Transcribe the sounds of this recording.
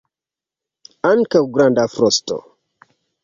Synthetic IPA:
ankaɡɾãndafɾɔstɔ̰

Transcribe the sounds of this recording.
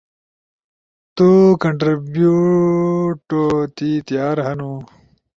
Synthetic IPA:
t̪ukɐɳʈɾibju | ʈot̪it̪ijaːɾɦɐnu

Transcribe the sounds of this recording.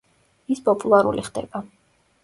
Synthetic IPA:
ispʼɔpʼulˠaɾṵliχd̪ɛb̥a

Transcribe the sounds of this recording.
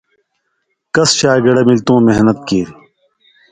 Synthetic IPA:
kɐsɕaːɡɐɽemilt̪ũːmeɦnət̪̚kiː

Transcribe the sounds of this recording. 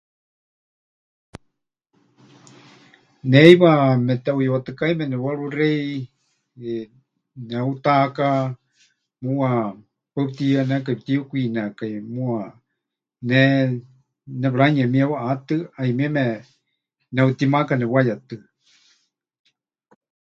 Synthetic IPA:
nɛiβamɛt̪ɛujwat̪ɨkaimɛnɛwaɺurɛi | nɛut̪aka | muwa | pap̚t̪ianɛkaip̚t̪iukʷinakajmũa | nɛ | nɛβɾaɲɛmiɛwaʔat̪ɨaimiɛmɛ | nɛut̪imakanɛwajat̪ɨ

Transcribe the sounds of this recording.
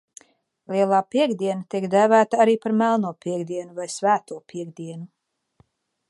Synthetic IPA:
lʲiɛlˠaːpiɛɡd̪iɛnat̪iɛkd̪æːvæːt̪aaɾiːpaɾmælˠnuɔpʲiɛɡd̪iɛnuvajsvæːt̪uɔpʰiɛɡd̪iɛnu

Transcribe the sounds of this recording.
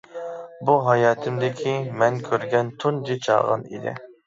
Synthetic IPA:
buɦɑjɑːt̪ʰɪmd̪ɪkʲʰimɛŋkʲʰøɾɡʲɛnt̪ʰund͡ʒit͡ʃʰɑ̰ʁɑ̰nḭd̪ɪ̰

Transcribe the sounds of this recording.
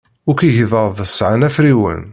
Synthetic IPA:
ʊɾkiʝəðəɾˤðˤəsʕanæfɾiwə̰n

